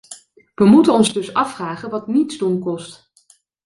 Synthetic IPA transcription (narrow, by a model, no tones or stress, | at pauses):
ʋəmutənɔnzdɵsɑfraːχənʋɑtnitzdunkɔst